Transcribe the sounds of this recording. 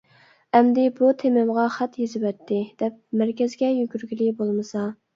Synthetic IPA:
ɛmd̪ɪbut̪ʰemɪmʁɑχæt̪jezɪvɛt̪ʰːɪd̪̥ɛp̚mæɾkʲɛzɡʲɛjyɡʲyɾɡʲilɪbolˠmɨsɑ

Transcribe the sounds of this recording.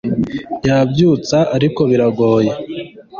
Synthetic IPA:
jabjuːt͡saʔaɾiko̞βiɾaɡo̞ːje

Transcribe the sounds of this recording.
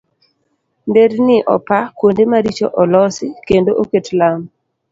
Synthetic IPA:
ndednɪʔɔ̰pakwondemaɾit͡ʃo̰ʔɔlɔsɪkendoʔoketlam

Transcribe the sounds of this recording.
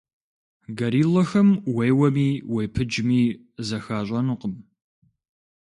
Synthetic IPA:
ɡɐɾiːlɔxɐmwejwɐmiːwejpʰɨd͡ʒmiː | zɐxaːɕʷʼɐnʊqəm

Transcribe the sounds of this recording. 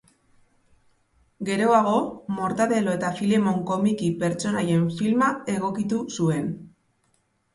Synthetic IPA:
ɡe̞ɾo̞aɣ̞o̞mo̞ɾt̪aðe̞lo̞e̞t̪afilemo̞ŋko̞mikipe̞ɾt͡ʃo̞naje̞ɱfilmake̞ɣ̞o̞kit̪usue̞n

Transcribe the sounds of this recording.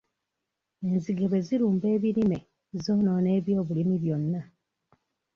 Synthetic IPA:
e̞nziɡeβwe̞ziɾuːmbe̞ːβiɾime̞ | zoːno̞ːne̞ːβjo̞ːβulimiβjo̞nːa

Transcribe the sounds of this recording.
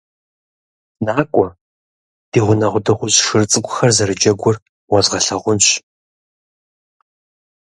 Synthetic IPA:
naːkʷʼɔ | d̥iːʁʷʊnɐʁʷʊdɐχʷʊzʂɨrt͡sʼɨkʷʼʊ̥xɐrzɐɾɨd͡ʒɐɡʷʊr | wɐzʁɐɬɐʁʷʊnɕ

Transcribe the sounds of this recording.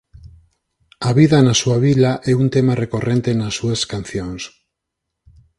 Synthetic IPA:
aβiðanasuaβ̞ilaʔɛunt̪emarekorʔent̪enasːueskan̟θjoŋs

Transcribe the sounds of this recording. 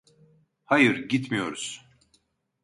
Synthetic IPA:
hajɯɾɟit̪mijo̞ɾuz̥

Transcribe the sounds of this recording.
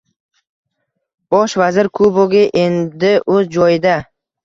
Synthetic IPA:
b̥ɒʃvazɪɾkʰuboɡʲɪʔend̪ɪʔɵzd͡ʒɒjɪd̪a

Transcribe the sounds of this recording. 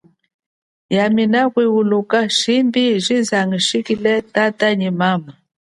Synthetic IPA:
jaminakwiwulukaʃimbiʒizaŋɡiʃikilɛtataɲimama

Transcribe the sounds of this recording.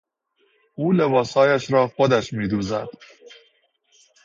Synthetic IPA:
uːlebɒːsɒːjæʃɾɒːxod̪æʃmiːd̪uːzæ̰d̪̥

